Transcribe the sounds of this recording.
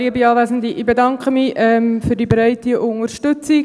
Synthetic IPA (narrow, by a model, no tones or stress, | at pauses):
iːəbiɑːʋæːzən̩diʔibedɑŋkχəmiʔɛmfyrdibɾɛɪtiʔʊŋəɾʃtɵt͡si